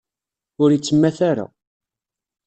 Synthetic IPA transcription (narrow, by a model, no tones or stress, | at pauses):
ʊɾit͡sːəmːæθaɾa̰